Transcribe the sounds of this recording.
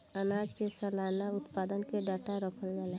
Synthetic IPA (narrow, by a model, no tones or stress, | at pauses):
ənad͡ʒkesəlaːnaʊt̪paːd̪ənkeɖaʈaɾəkʰəld͡ʒala